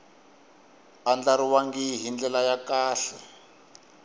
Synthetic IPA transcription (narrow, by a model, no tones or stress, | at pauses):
and͡ɮaɾiwaŋɡiɦind͡ɮɛlajakaːɬɛ